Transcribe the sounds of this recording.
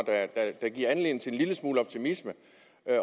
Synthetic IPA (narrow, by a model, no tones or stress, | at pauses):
d̥æd̥æd̥æɡ̥iɐænle̝ːn̩t͡sʰe̝enliləsmuːləɒ̽b̥̚t͡sʰimismə | ø